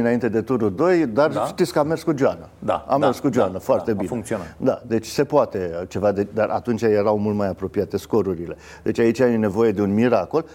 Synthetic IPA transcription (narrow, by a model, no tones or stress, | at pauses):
ɨnaint̪e̞d̪e̞t̪uɾud̪o̞jd̪arʃt̪it̪skəame̞rskud͡ʒoanəd̪a̰a̰merskud͡ʒoanəfoart̪ebied̪ad̪e̞t͡ʃʲse̞poat̪e̞t͡ʃe̞vad̪ed̪arʔa̰t̪unt͡ʃaje̞ɾawmult̪majapɾo̞piat̪e̞sko̞ɾuɾile̞ | d̪e̞t͡ʃʲait͡ʃʲajene̞vo̞je̞d̪eunmiɾako̞l